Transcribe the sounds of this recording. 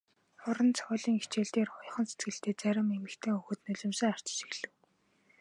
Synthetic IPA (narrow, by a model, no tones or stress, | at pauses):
χʊɾə̆nt͡sʰʊːɮiːŋit͡ɕeːɮt̪eːrχʊj̆χə̆nset̪ɡɘ̆ɬt̪eːt͡sæɾʲɪ̆memɘ̆kt̪ʰeːɵxɵ̆ːt̪nɵɮɵ̆msə̆ŋar̥t͡ɕ̆ʃi̥xɮɘ̆w